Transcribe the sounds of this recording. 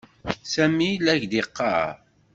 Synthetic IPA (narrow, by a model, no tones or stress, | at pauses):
sæmilæʝd̪iqːɑ̰ɾ